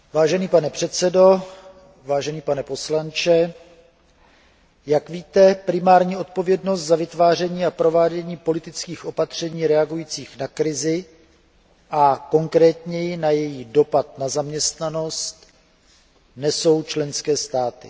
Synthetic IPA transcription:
vaːʒɛniːpanɛpr̝̥ɛt̪sɛdo̞ | vaːʒɛniːpanɛpo̞slant͡ʃɛ | jakviːt̪ɛpɾɪmaːɾɲiːʔo̞t̪̚po̞vjɛdno̞st̪zavɪt̪vaːr̝ɛɲiːapɾo̞vaːɟɛɲiːpo̞lɪt̪ɪt͡skiːxʔo̞pat̪r̝̥ɛɲiːɾɛaɡujiːt͡siːxnakɾɪzɪ | ʔako̞ŋkɾɛːt̪ɲɛjɪnajɛjido̞pat̪̚nazamɲɛst̪nano̞st̪ | nɛso̞wt͡ʃlɛnskɛːst̪aːt̪ɪ̰

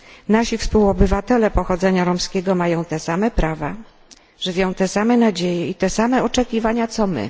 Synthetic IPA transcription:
naɕifspuwɔbɘvat̪ɛlɛpɔxɔd̪zɛɲaɾɔmskʲɛɡɔmajɔ̃w̃t̪ɛsamɛpɾava | ʐ̥ɘvʲjɔ̃w̃t̪ɛsamɛnad͡ʑejɛit̪ɛsamɛɔt͡ʂɛkʲivaɲat̪sɔmɘ̰

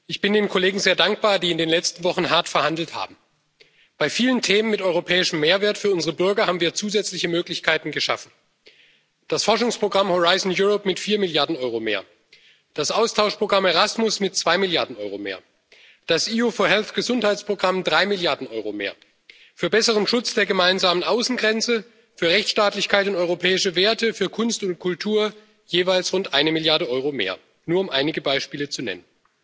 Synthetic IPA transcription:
ʔɪçb̥ɪndeːnkʰoleːɡŋ̩zeːɐdaŋk̚b̥aːɐdiːɪndeːnlɛt͡stn̩vɔχn̩ɦaɐtfɛɐhandl̩tha̰ːbm̩ | b̥aɪfiːləntʰeːmənmɪtʔɔʏʁopʰɛːɪʃəmːeːɐveːɐtfyːɐʔʊnzəʁəbʏɐɡɐhaːbm̩viːɐt͡suːzɛt͡slɪçəmøːklɪçkʰaɪtn̩ɡəʃa̰fn̩ | d̥asfɔɐʃʊŋspʁ̥oɡʁamhoʁaɪzn̩juʁɔpmɪtfiːɐmɪljaɐdn̩ʔɔʏʁ̞omḛːɐ | d̥asʔaʊstʰaʊʃpʁ̥oɡʁamɛʁasmʊsmɪtt͡sv̥aɪmɪljaɐdn̩ʔɔʏʁomḛːɐ | d̥asʔiːofɔɐɦɛlθɡ̥əzʊnthaɪt͡spʁ̥oɡʁamdʁaɪmɪljaɐdn̩ʔɔʏʁomḛːɐ | fyːɐbɛsəʁənʃʊt͡sd̥eːɐɡəmaɪnzaːmənʔaʊsn̩ɡʁɛnt͡sə | fyːɐʁɛçt͡sʃtaːtlɪçkʰaɪtʊntɔʏʁopʰɛːɪʃəveːɐtəfyːɐkʰʊnstʊnt̚kʰʊltʰuːɐ | jeːvaɪlsʁʊntʔaɪnəmɪljaɐdəʔɔʏʁomḛːɐ | nuːɐʊmʔaɪnɪɡəbaɪʃpiːlət͡sunɛ̰nən

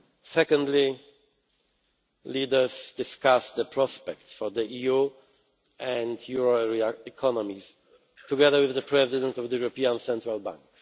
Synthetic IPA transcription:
sɛkɔ̃ndli | lidə˞zdɪskasd̪əpʰɹɔspɛk̚tfɔðəiju | ɛ̃ndjuɹoɛɹiaɛkʰɔnɔmis | tuɡɛðə˞wɪððəpʰɹɛzɪdɛ̃ntɔvdəjuɹɔpiãnsɛ̃ntɹalbã̰ŋk

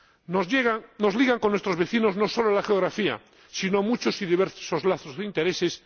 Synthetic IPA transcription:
neɣnozliɣaŋkonːwest̪ɾozβe̞θino̞znosoloalaxeoɣɾafia̰ | sinoamut͡ʃosiðiβeɾsozlaθozðeint̪eɾeses

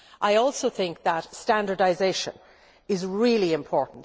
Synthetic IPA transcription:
ʔaɪɔlˠsoʊθɪ̃ŋk̚ðətstæ̃ndə˞daɪzeɪʃə̰̃n | ɪzɹɪliɪ̃mpʰɔɹʔn̩t

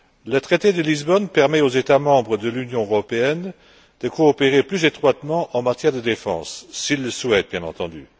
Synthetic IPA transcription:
lət̪χet̪ed̪əlizbɔnpɛʁmɛozet̪amɑ̃bʁəd̪əlynjɔ̃øʁɔpeɛn | d̪̥əkoːpeʁeplyzet̪χwat̪mɑ̃ʔɑ̃mat̪jɛʁd̪əd̪efɑ̰̃ːsːilːəswɛt̪̚bjɛ̃nɑ̰̃t̪ɑ̃d̪y

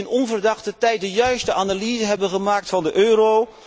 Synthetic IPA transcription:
ɪnɔnvərdɑχtətɛjt̚dəjœɥstəʔanaliːzəɦɛbəχəmaːk̚tfɑndəʔøːɾo

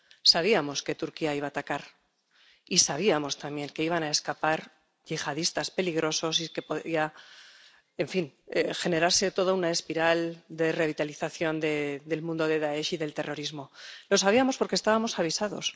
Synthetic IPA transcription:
saβ̞iamo̞ske̞t̪uɾkiaiβ̞aːt̪akaɾ | isaβ̞iamo̞st̪ambje̞ŋke̞iβ̞anae̞skapaɾ | ʝixaðist̪aspe̞liɣ̞ɾo̞so̞s̬ike̞po̞ðia | e̞ɱfinexe̞ne̞ɾaɾse̞t̪o̞ð̞ounaespiɾald̪e̞re̞β̞it̪aliθaθjo̞nd̪e̞d̪e̞lmũnd̪o̞ðe̞ðae̞ʃiðe̞lt̪e̞ro̞ɾizmo̞lo̞s̬aβiamo̞spoɾkest̪aβamo̞saβ̞isaðo̞̰s

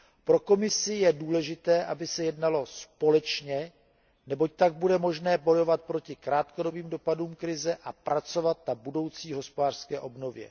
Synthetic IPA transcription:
pɾo̞ko̞mɪsɪjɛduːlɛʒɪt̪ɛːʔabɪsɛjɛdnalo̞spo̞lɛt͡ʃɲɛ | nɛbo̞c̚t̪aɡ̚budɛmo̞ʒnɛːbo̞jo̞vat̪̚pɾo̞cɪkɾaːt̪kodo̞biːmdo̞paduːmkɾɪzɛʔapɾat͡so̞vat̪̚nabudo̞wt͡siːɦo̞spodaːr̥skɛːʔo̞bno̞vjɛ̰

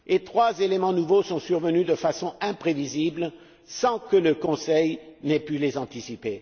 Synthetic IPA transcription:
et̪χwazelemɑ̃nuvosɔ̃syʁvənyd̪əfasɔ̃ɛ̃pχevizibl | sɑ̃kələkɔ̃sɛjnɛpylezɑ̃t̪isipe

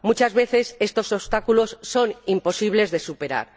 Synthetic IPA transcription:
mut͡ʃazβe̞θe̞se̞st̪o̞soβst̪akulo̞sːo̞nimpo̞siβ̞le̞zðe̞supe̞ɾa̰ɾ

